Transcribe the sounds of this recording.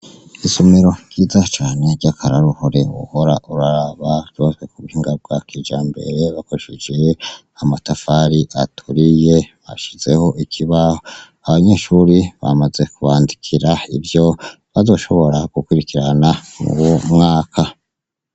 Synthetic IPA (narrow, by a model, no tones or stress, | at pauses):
isomeɾo̞ɟ̥iːzat͡ʃaːne̞ɾɟakaɾaɾuhoɾe̞wṵho̞ɾaʔuɾaɾaβavjozɡwe̞kuβuhiŋɡab̚ɡakid͡ʒaːmbe̞̰ɾe̞βakoɾeʃid͡ʒe | amatafaɾiʔatʰuɾije̞βa̰ʃize̞ho̞ʔikʰiβaho | aβaɲe̞ːʃuɾiβa̰maze̞kuβaːndikʰiɾaibjo̞ | βazo̞ʃo̞βo̞ɾaɡ̥ukwuɾikiɾanamṵwumŋaːkʰa